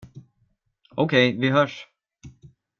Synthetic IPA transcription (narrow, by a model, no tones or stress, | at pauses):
o̰wkʰeːjviɦœʂ